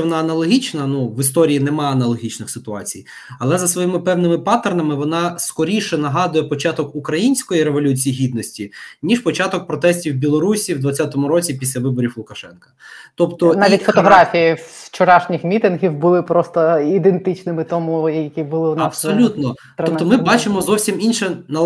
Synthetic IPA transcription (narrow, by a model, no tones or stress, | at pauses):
ʋɔnɑɐnɐlˠɔɦʲit͡ʃnɐnuʋɪst̪ɔɾʲijinɛmɑɐnɐlˠɔɦʲit͡ʃnɪxsɪt̪ʊɑ̰t͡sʲij | ɐlˠɛzɐsʋɔjimɪpɛwnɪmɪpɑt̪ernɐmɪʋɔnɑskɔɾʲiʃɛnɐɦɑd̪ʊjɛpɔt͡ʃɑt̪ɔkukɾɐjinʲsʲkɔjiɾeʋɔlʲut͡sʲijiɦʲid̪nɔsʲtʲinʲiʃpɔt͡ʃɑt̪ɔk̚pɾɔt̪ɛsʲtʲiwbʲilˠɔɾusʲiwd̪ʋɐtt͡sʲːat̪ɔmʊɾɔt͡sʲipʲisʲlʲɐʋɪbɔɾʲiwlˠʊkɐʃɛnkɐ̥t̪ɔpt̪ɔnaʋʲit̪ʲfɔt̪ɔɦɾafʲijit͡ʃɔɾɑʃnʲixmʲit̪ɪnɦʲiwbʊlˠɪpɾɔst̪ɔid̪ent̪ɪt͡ʃnɪmɪt̪ɔmujɐjɐkʲibʊlˠɪɐbsɔlʲut̪nɔt̪ɔpt̪ɔmɪbɑt͡ʃɪmɔzɔwsʲiminʃɛnɐ